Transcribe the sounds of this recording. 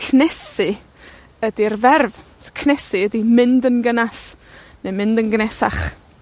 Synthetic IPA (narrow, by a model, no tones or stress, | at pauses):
kʰnɛsɨ | ədirvɛrv | sokʰnɛsɨədimɪndənɡənas | nemɪndənɡnɛsa̰χ